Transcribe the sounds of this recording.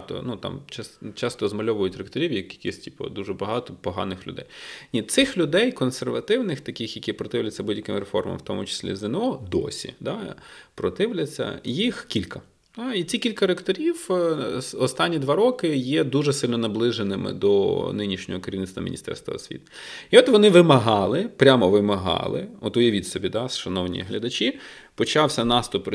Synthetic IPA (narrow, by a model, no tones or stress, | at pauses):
t̪ɔ̰nut̪ɑ̰mt͡ʃɑst͡ʃɑst̪ɔzmɐlʲɔʋʊjʊtʲrekt̪ɔɾʲiwjɐkʲikʲisʲtʲipɐ̰d̪uʒɛbɐɦɑt̪ɔpɔɦɑ̰nɪxlʲʊ̰d̪ɛ̰jnʲit̪sɪxlʲʊd̪ɛjkɔnserʋɐt̪ɪwnɪxt̪ɐkɪxjɐkʲipɾɔt̪ɪwlʲɐt͡sʲːɐbudʲjɐkɪmɾefɔ̰rmɐ̰mwt̪ɔmʊt͡ʃɪ̥sʲlʲḭzɪnɔd̪ɔ̰sʲḭd̪ɑpɾɔt̪ɪwlʲɐt͡sʲːɐ̰jixkʲilʲkɐ | d̪ait͡sʲikʲilʲkɐɾekt̪ɔɾʲiw | ɔst̪ɑnʲːid̪ʋɑɾɔkɪjɛd̪uʒɛsɪlʲnɔnɐblˠɪʒenɪmɪ̰d̪ɔnɪnʲiʃnʲɔɦɔkeɾʲiʋnɪt̪st̪ʋɐm̰ʲnʲist̪ɛ̰rst̪ʋɐ̰ɔsʲʋʲḭt̪iɔt̪ʋɔnɪʋɪmɐɦɑlˠɪpɾʲamɔʋɪmɐɦɑ̰lˠɪ̰ɔt̪ʊjɐʋʲitʲsɔbʲid̪ɑsʃɐnɔwnʲḭɦlʲɐd̪ɐt͡ʃi | pɔt͡ʃɑwsʲɐnɑst̪ʊp